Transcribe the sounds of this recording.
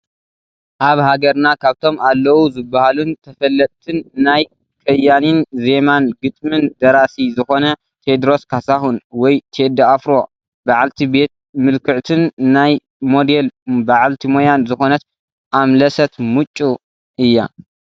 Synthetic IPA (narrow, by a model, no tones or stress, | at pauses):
ʔaβhaɡɐɾnakʰaβt̪ʰo̞malːɐwuzɨbːahalunt̪ʰɐfɐlːɐt̪ʼt̪ʰɨnːaj | kʰɐjːaninze̞manɡɨt̪ʼmɨnd̪ɐɾasizɨxo̞nɐ | t̪ʰed̪ɾo̞skʰasahunwɔjt̪ʰed̪aafɾo̞ | baʕalt̪ʰibe̞t̪̚mɨlkʰɨʕt̪ʰɨnːaj | mo̞d̪e̞lbaʕalt̪ʰimojanzɨxo̞nɐt̪ | ʔamlɐsɐt̪mɨt͡ʃʼːu | ʔɨjːa